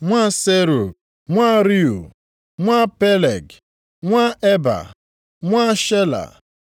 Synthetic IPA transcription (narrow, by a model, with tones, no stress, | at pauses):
ŋʷa˦se˦ɾu˨ | ŋʷa˦ɾi˦u˨ | ŋʷa˦pe˦le˨ɡ | ŋʷa˦e˦ba̰˨ | ŋʷa˦ʃe˦la̰˨